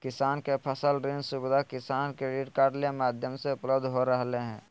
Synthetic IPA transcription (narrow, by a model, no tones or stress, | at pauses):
kɪsaːnkepʰəsəlɾẽnd͡ʒsʊbɪd̪ʱakɪsaːnkeɾiɖkaːɾɖlemaːd̪ʱjəmseʊpləbd̪ʱɦoɾəɦleɦɛ̃ː